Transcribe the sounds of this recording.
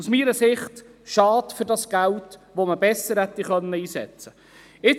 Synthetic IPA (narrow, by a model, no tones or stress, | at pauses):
usmiːɾəsɪχt | ʃɑːtfʏɾdɑsɡ̥æltʋoməbɛsəɾhɛt̪ːiχœnːəiːsɛ̰t͡sə | ɪt͡s